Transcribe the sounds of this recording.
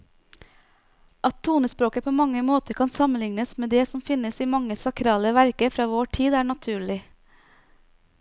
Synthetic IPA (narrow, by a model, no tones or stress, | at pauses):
ʔɑt̪ʰːuːnəspɾoːkəpʰoːmɑŋəmoːt̪əkʰɑnsɑmənlɪŋnəsmeːd̪eːsɔmfɪnəsiːmɑŋəsɑkʰɾɑːləʋæɾkəfɾɑːʋoːʈʰiːd̪æːɳɑt̪ʰʉːɭɪ